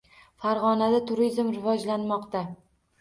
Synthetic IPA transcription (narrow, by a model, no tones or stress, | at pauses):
faɾʁɒnad̪at̪ʰʊɾizmɾɪvɒd͡ʒlanmɒqt̪a